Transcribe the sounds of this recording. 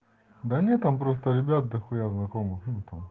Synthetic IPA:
d̪ɐnʲet̪ampɾost̪ɐɾʲɪbʲat̪̚d̪ɐxujaznɐkomɨxt̪am

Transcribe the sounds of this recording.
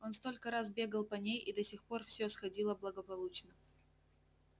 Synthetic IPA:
o̞nst̪o̞lʲkəɾazbʲe̞ɡəlˠpɐnʲejid̪ɐsʲixpo̞rfsʲɵsxɐdʲilˠəblˠəɡəpɐlˠut͡ɕnə

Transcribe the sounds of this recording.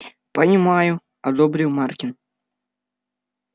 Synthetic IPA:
pɐnʲimaju | ɐd̪ɔbɾʲɨwmarkʲin

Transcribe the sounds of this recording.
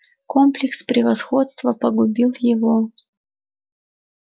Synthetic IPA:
komplʲɪkspɾʲɪvɐsxot̪st̪vəpəɡʊbʲilˠjɪvo

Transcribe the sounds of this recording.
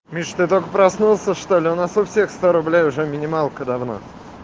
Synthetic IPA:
mʲiʂt̪ɨt̪okəpɾɐsnulˠsʲəʂt̪olʲɪʊnasʊfsʲexst̪oɾʊblʲejʊʐɛmʲɪnʲɪmalˠkəd̪ɐvno̰

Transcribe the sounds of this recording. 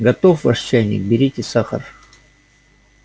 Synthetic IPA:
ɡɐt̪ofvaʂt͡ɕːæjnʲɪ̰k̚bʲɪɾʲitʲɪsaxə̰r

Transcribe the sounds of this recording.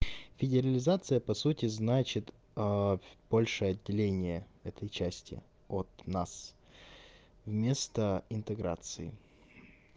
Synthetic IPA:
fʲɪdʲɪɾəlʲɪzat̪sɨjəpɐsutʲɪznat͡ɕɪt̪ | b̥olʲʂɨjɐdʲːɪlʲenʲɪjəɛt̪ʰəjt͡ɕæsʲtʲɪ̰ | ot̪nas | vmʲe̞st̪əɪnt̪ɨɡɾa̰t̪sɨɪ̰

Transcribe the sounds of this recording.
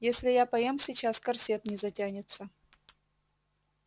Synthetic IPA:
jesʲlʲɪjapɐjemsʲɪt͡ɕaskɐrsʲet̪nʲɪzɐtʲanʲɪt̪sə

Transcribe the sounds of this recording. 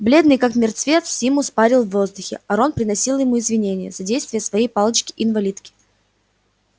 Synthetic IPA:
blʲe̞d̪nɨjkakmʲɪrt̪svʲe̞t̪ssʲimʊspaɾʲɪlˠvːo̞zd̪ʊxʲɪ̰ɐɾo̞npɾʲɪnɐsʲilˠjɪmuɪzvʲɪnʲenʲɪjəzɐdʲejst̪vʲɪjəsvɐjejpɑlˠət͡ɕkʲɪʔɪnvɐlʲit̪kʲɪ̥

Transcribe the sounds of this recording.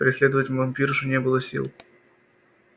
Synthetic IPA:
pɾʲɪsʲlʲed̪əvətʲvvɐmʲpʲiɾʐɨnʲebɨlˠəsʲḭlˠ

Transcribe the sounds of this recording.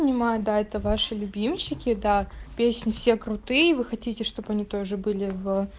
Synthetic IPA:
nʲɪmajʊd̪aɛt̪əvaʂɨlʲʊbʲimʲɕɪkʲɪd̪apʲesʲnʲɪfsʲekɾʊt̪ɨjəvɨxɐtʲitʲɪʂt̪o̞bɐnʲit̪oʐɨbɨlʲɪvə

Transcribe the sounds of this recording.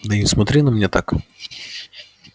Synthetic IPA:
nɛismɐt̪ɾʲɪnɐmnʲɛt̪ak

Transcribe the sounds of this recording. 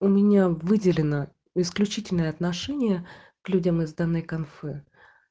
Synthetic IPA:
ʊmʲɪnʲavɨdʲɪlʲɪnə | ɪsklʲʉt͡ɕitʲɪlʲnəjəɐt̪nɐʂɛnʲɪjə | klʲudʲəmɨzd̪ɐnːɨjkɐnfɛ

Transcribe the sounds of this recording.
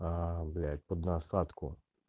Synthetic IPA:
ablʲat̪ʲpɔd̪nɐsɑt̪kʊ̰

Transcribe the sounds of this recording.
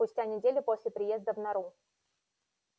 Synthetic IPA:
pʊsʲtʲanʲɪdʲelʲɪpo̞sʲlʲɪpɾʲɪje̞zd̪əvnɐɾu

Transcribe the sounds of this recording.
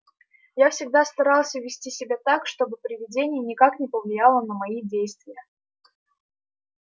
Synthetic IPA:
jafsʲɪɡ̚d̪ast̪ɐɾalˠsʲəvʲɪsʲtʲisʲɪbʲat̪akʂt̪o̞bɨpɾʲɪvʲɪdʲenʲɪjənʲɪkaknʲɪpəvlʲɪjalˠənəmɐidʲejst̪vʲɪjə

